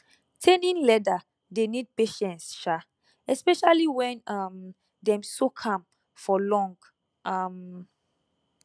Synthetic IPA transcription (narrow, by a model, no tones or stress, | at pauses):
tʰẽnĩnlɛda | denid̚peʃɛ̃ntsʃa | ɛspɛʃaliwɛ̃nam | dɛ̃msokʰãm | fɔlɔ̃ŋɡ | ʔam